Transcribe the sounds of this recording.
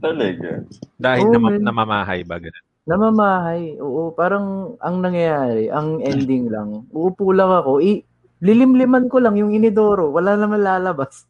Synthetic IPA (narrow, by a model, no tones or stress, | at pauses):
t̪ɐlɐɡa̰d̪aːhɪloɐmnɐmamaːɦɐ̰jbɐ̰ɡɐnon | nɐmamaːɦɐjʔoːʔopaːɾɐŋʔɐŋnɐŋjɐjaːɾɛʔɐŋʔɛnd̪ɪŋlɐ̰ŋʔʊʔʊpuːlɐŋɐko̞ʔɛ | lɪlɪmlɪmankolɐŋjʊŋɪnɪd̪oːɾo̞wɐlaːnɐmɐnlaːlɐbas